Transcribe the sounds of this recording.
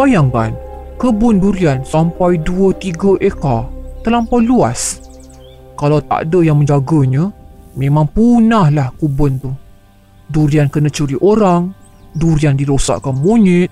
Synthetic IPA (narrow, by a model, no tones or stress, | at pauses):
bajaŋka̰nkəbʊnduɾiansampajduət̪iɡaʔekat̪əlampaluas | kalawt̪a̰dəjaŋmə̃ɲd͡ʒaɡəɲəmẽmãŋpunahlahkubʊnt̪u | duɾiankənat͡ʃuɾiʔoɾaŋduɾiandiɾosa̰ʔkanmuɲɪt̪̚